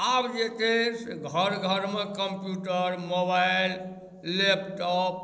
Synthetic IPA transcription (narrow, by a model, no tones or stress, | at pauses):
abd͡ʒet̪esɡʱəɾɡʱəɾmekəmpjuʈəɾmobailː | epʈɔp̚